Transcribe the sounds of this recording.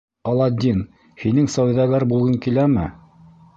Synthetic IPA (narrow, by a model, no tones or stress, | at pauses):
ɑlˠɑd̪ʲːin | hinɘŋsɑwðæɡɑɾbulˠʁɤŋkilæmɘ̰